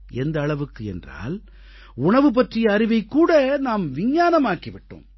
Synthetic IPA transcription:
ɛnd̪ɐːɭɐʋɯkːɯɛndra̰ːl | ʊɳɐʋɯp̬ɐʈrɪjɐːɾɪʋɐɪkːuːɽɐnaːmʋɪɲːaːnɐmaːkiʋɪʈːɯ̰m

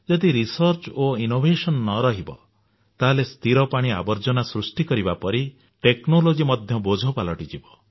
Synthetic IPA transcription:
d͡ʒɔd̪iɾisɔɾt͡ʃoinobʱesɔnːɔɾɔɦibɔ̰ | t̪aɦlest̪ʰiɾɔpaɽ̃ia̰bɔɾd͡ʒɔnasɾusʈikɔɾibapɔɾi | ʈeknolod͡ʒimɔd̪ʱjɔbod͡ʒʱɔpalɔʈid͡ʒibɔ

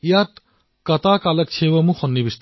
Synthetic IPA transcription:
jat̪ | kɐt̪akalɐk̚t͡ʃʰewɐmuxʰɔnːibist̪

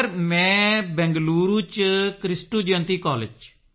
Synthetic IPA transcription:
ɾmɛ̃ːbɛ̃ːŋɡluːɾuːt͡ʃkɾɪsʈuːd͡ʒə̃nt̪iːkɔːled͡ʒ

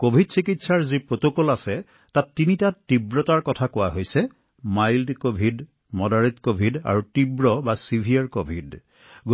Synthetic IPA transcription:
kobʱidsikitsaɹzipɹotokɔlasɛ | tatːinitatːibɹɔtaɹkɔtʰakʊwaɦojsɛ | majldkobʱid | mɔdaɹitkobʱida̰ɹutibɹɔbasibʱijaɹkobʱid | ɡ

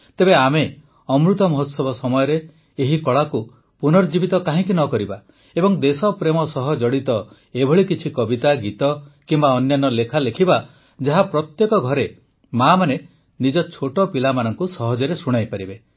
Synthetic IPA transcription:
t̪ebeame | ɔmɾut̪ɔmɔɦot̪sɔbɔsɔmɔjɔɾeː | ɦikɔɭaku | punɔɾd͡ʒibit̪ɔkaɦĩkinɔkɔɾiba | ebɔŋd̪esɔpɾemɔsɔɦɔd͡ʒɔɽit̪ɔ | ebʱɔɭikit͡ʃʰikɔbit̪aɡit̪ɔkimbaɔnjanɔlekʰalekʰiba | d͡ʒaɦapɾɔt̪jekɔɡʱɔɾe | mamane | nid͡ʒɔt͡ʃʰoʈɔpilamanɔŋkusɔɦɔd͡ʒɔɾesuɽ̃ajpaɾibe

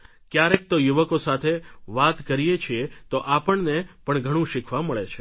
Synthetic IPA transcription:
kjaɾek̚t̪ojuʋəkosat̪ʰeʋat̪kəɾijet͡ʃʰiet̪oʔapəɳnepəɳɡʱəɽ̃ũʃɪkʰʋãməɭet͡ʃʰe

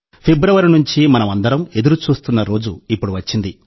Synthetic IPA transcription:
pʰebɾɐʋɐɾinuɲt͡ʃimɐnɐmɐnd̪ɐɾɐme̞d̪uɾut͡ʃuːst̪unːɐɾo̞ːd͡ʒuipːuɽuʋɐt͡ʃːind̪i

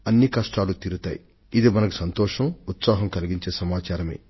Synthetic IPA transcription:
ɐnːikɐʂʈaːlut̪iːɾut̪aːji | id̪imɐnɐku̥sɐnt̪ɔːʂɐmut̪saːɦɐmkɐliɡiɲt͡ʃe̞ːsɐmaːt͡ʃaːɾɐmeː

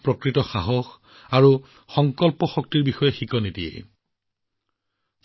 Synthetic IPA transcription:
pɹɔkɹitɔxaɦɔx | aɹu | xɔŋkɔlpɔxɔk̚tiɹbixɔjɛxikɔnitiḛ

